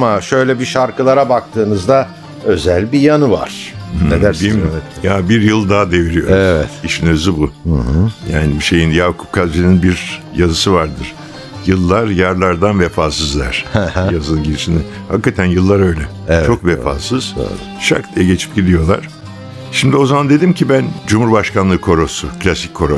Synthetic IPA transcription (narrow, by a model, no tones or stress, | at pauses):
amaʃø̞jlʲɛbiʃaɾkɯlˠaɾabak̚t̪ʰɯːnɯzd̪a | ø̞zælʲbijanɯva̰ɾ̥ned̪æbimijabiɾjɯlˠd̪aɦad̪e̞viɾijo̞ɾevɛt̪iʃinø̞zybuh̩hjaːnibiʃe̞jinjavkʰu̥p̚kʰazd͡ʒeninbiɾjazɯsɯvaɾd̪ɯɾ̥ | jɯlˠːaɾjaɾlˠaɾd̪anvefaːsɯzlˠa̰ɾ̥jazɯɯnɟiɾiʃinɛ | hakkʰːat̪ʰænjɯlˠːaɾø̞jlʲɛ | t͡ʃʰo̞kvefa̰ːsɯz̥̰ | ʃa̰kt̪ʰijɛɟe̞t͡ʃʰi̥p̚ɟilʲijo̞lˠa̰ɾ̥ | ʃimd̪io̞zamand̪e̞d̪imcʰibænd͡ʒumhuɾbaʃkanlˠɯːkʰo̞ɾo̞sukʰlʲasicʰːo̞ɾo